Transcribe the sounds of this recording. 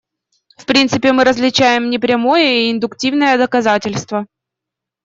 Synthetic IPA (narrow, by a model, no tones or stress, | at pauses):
fpɾʲint̪sɨpʲɪmɨɾəzlʲɪt͡ɕæjɪmnʲɪpɾʲɛɐmo̞jəiɪnd̪ʊktʲivnəjəd̪əkɐzatʲɪlʲst̪və